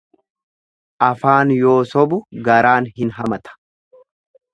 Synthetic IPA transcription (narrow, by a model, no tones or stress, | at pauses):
ʔɐfaːnjo̞ːsɔbʊɡɐɾaːnhɪnɦɐmɐt̪ɐ̥